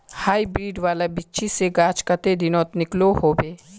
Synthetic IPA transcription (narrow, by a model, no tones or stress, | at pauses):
haːibɾiːɖʋaːlabɪtːʃʰiseɡaːt͡ʃkət̪ed̪ɪnɔːt̪nɪkloɦoːbeː